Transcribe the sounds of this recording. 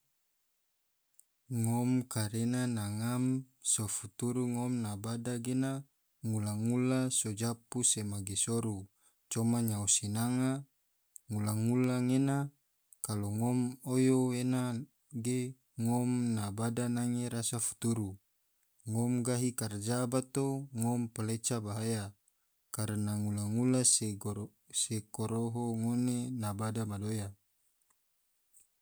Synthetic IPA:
ŋɔmkaɾenanaŋam | sofut̪uɾuŋɔmnabadaɡena | ŋulaŋulasod͡ʒapusemaɡesoɾu | t͡ʃɔmaɲausinaŋa | ŋulaŋulaŋena | kaloŋɔmojoena | ɡe | ŋɔmnabadanaŋeɾasafu̥t̪uɾu | ŋɔmɡaɦikard͡ʒabat̪oŋɔmpəlet͡ʃabaɦaja | kaɾənaŋulaŋulase | sekoɾoɦoŋonenabadamadoja

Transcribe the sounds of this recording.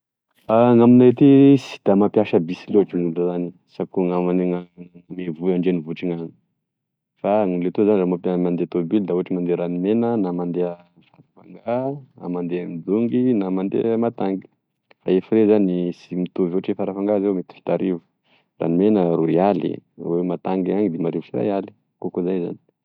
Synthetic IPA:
aŋaminait̪isi̥d̪̥amapjaʃəbisilewaʈ͡ʂiŋulləzani | sakuŋamanŋamevuaɳɖ͡ʐenivuʈ͡ʂiŋan | faŋulet̪uzanizamapimand̪et̪obild̪auəʈ͡ʂimand̪eɾanimenənamand̪eə | faɾafa̰ŋɡana̰mand̪emid̪uŋɡinamand̪ḛmat̪aŋɡi̥ | faefiɾezanisimit̪uvuaʈ͡ʂefaɾafaŋɡazewmet̪i̥fi̥t̪aɾivu̥ | rʔa̰nimenəruialḭwemat̪aŋɡiaŋid̪emaɾivusiɾa̰jali̥ | kokozajza̰ni̥

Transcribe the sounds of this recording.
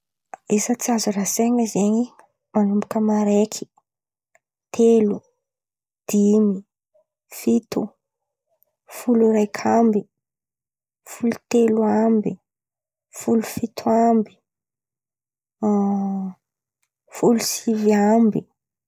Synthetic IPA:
esət͡siazuraseŋəzeɲi | manumbukəmaɾekʰi̥ | t̪ʰelu | d̪̥imi | fit̪u | fuluɾajkʰambi | fulut̪eluambi | fulufit̪ʰuambi̥ | fulusiviambi

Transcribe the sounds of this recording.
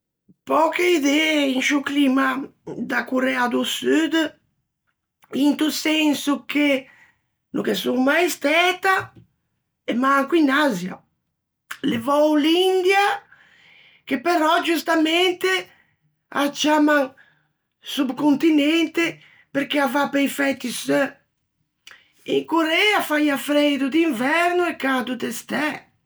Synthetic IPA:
pɔkeid̪ɛinʃuklimad̪akuɾɛad̪usyd̪ | int̪usɛnsuke | nukesuŋmajst̪ɛt̪a | ɛmaŋkuinazja̰ | levɔwlind̪ja | k̟epeɾɔd͡ʒust̪ament̪e | a̰t͡ʃamaŋ | subkont̪inɛnt̪e | peɾk̟eavapejfɛt̪ːis | ḭŋkoɾɛafajafɾɛd̪ud̪iɱvɛɾnʊɛkad̪ud̪est̪ɛ

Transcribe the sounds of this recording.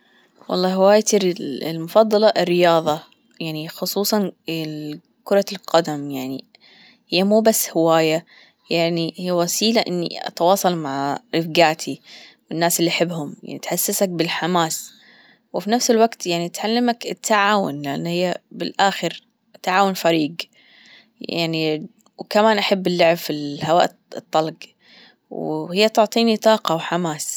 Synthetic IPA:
wɑ̰lˤːɑːhɪwaːjat̪lmʊfɑd̪ˤːɑlɑʔɪrːɪjɑːðˤɑ | jaʕnixʊsˤuːsˤɑn | kʊɾˤɑlqɑd̪amjaʕni | hɪjːamuːbasːhɪwaːja | jaʕnihijːawasiːlaʔɪnːḭʔɑ̰t̪wɑːsˤɑlmaʕʔɪfɡaːʕt̪ʰiwɪnːaːsɪlːiʔaħɪbːhʊmja̰ʕnit̪ħasːasak̚bɪlħamaːs | wɪfinafsɪlwaɡt̪jaʕnit̪ʕalːamakɪt̪ʰːaʕaːwʊ̰nlɪʔa̰nːhɪjːabɪlʔaːxɪɾ | t̪aʕaːwʊnfaɾiːɡ | ja̰ʕni | wkamaːnʔaħabːɪlːʊʕbfilhawaːʔ | ɨt̪ˤːɑlɡ | whɪjːat̪ʊʕt̪ˤiːnit̪ˤɑːqɑwħamaːs

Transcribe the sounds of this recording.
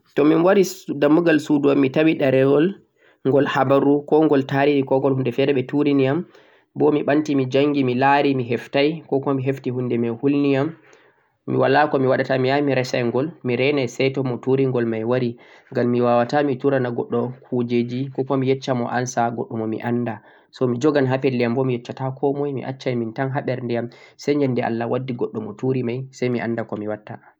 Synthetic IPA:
tɔminwaɾidamːuɡalsuduamːitawiɗaɾɛɡɔl | ŋɡɔlhabaɾukɔŋɡɔltaɾiɾikɔŋɡɔlhundɛfɛdɛɓɛtuɾinijam | bɔmiɓantimid͡ʒaŋɡimilaɾimiɦɛftajkɔkɔmiɦeftihundɛmɛhulnijam | mḭwalːakɔmiwaɗatamijamiɾɛsajŋɡɔlmiɾɛnajsɛtɔmɔtuɾiŋɡɔlmajwaɾiŋɡamːiwawatamituɾanaɡɔɗːɔkʰud͡ʒed͡ʒikɔkɔmijɛt͡ʃːamɔ̰ʔansaɡɔ̰ɗːɔmɔmḭʔanda | sɔmid͡ʒɔɡanɦapɛlːijambɔmijɛt͡ʃːatakʰɔmɔjmḭʔa̰t͡ʃːajmintanɦaɓɛɾndɛjamsɛjɲd͡ʒɛndɛʔa̰lːawadːiɡɔɗːɔmɔtuɾimajsajmiʔandakɔmiwatːa

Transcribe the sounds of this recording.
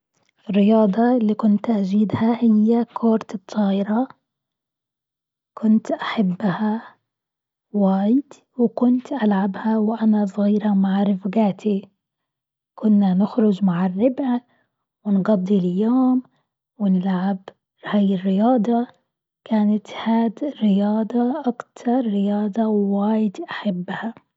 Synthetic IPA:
ʔɪrːɪjɑːd̪ˤɑlːiːkʊnt̪ʔad͡ʒiːd̪hahɪjːakʰoːɾt̪ɨt̪ˤʰːɑːʔɪɾɑ | kʰʊnt̪ʔaħabːha | waːjɪd̪ | wɪkʊnt̪ʔalʕabhawʔanasˤɣiːɾɑmaʕɾɪfɡaːt̪i | kʊnːanɪxɾʊd͡ʒmaʕɪrːɪbʕa | wɪnɡɑd̪ˤːilajːoːm | wɪnɪlʕab | haːjɪrːɪjɑːd̪ˤɑ | kaːnat̪haːd̪ɾɪjɑːd̪ˤɑʔakt̪ʰɑɾˤːɪjɑːd̪ˤɑwɪwaːjɪd̪ʔaħabːha

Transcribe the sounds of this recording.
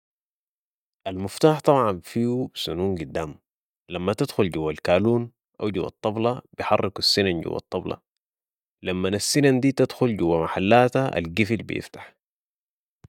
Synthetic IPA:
ʔalmʊft̪aːħt̪ˤɑbʕɑnfiːusunuːnɡud̪ːaːm | lamːat̪ad̪xulɟuwːalkaːluːn | ʔawɟṵwːɑ̰t̪ˤːɑblɑbijħɑrˤːɪkasːinanɟṵwːɑ̰t̪ˤːɑblɑ̰ | lamːanasːinand̪iːt̪ad̪xulɟuwːamaħalːaːt̪aʔa̰lɡifilbḭjɪ̰ft̪ḁħ

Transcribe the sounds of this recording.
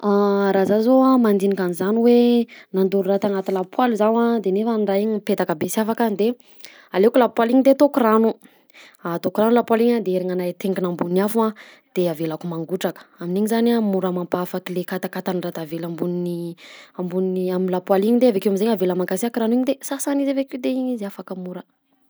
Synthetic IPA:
aɾazazoamand̪inikanizaniwenand̪uɾurat̪aŋat̪ilapwaluzawad̪enefanɖ͡ʐaiɲipet̪akabesiafakand̪e | alekulapwaliɲid̪eat̪okuranu | at̪okuranulapwaliɲad̪eeɾiŋanat̪eŋɡinambunafua | d̪̥eavelakumaŋɡuʈ͡ʂakə̥aminiɲizanamuɾamampafakilekat̪akat̪anirat̪avelambuniniambunniaminlapwaliɲid̪eavekeamizeɲavelamaŋkasiakɾaniɲid̪esasanizevekid̪eiɲizafakamuɾə

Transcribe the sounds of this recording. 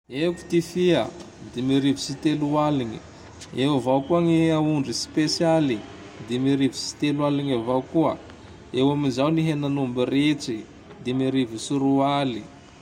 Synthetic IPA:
eku̥t̪ifia | d̪emiɾivisit̪elualiɲi | ewavaukuaŋiauɳɖ͡ʐispesjali | d̪emiɾivisi̥t̪elualiɲavaukuə | ewaminzawniɦenanumbireʈ͡ʂi | d̪emiɾivisiɾuali

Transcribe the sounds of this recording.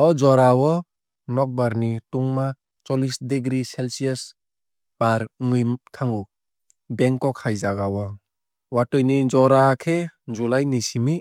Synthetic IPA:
ɔd͡ʒɔɾawɔ | nɔk̚baɾnituŋma | t͡ʃɔlisdeɡɾiselsiɔs | b̥aɾŋɯjmtʰaŋu | beŋkːɔkʰajzaɡawɔ | watɔjnid͡ʒɔɾakʰed͡ʒulajnisimi

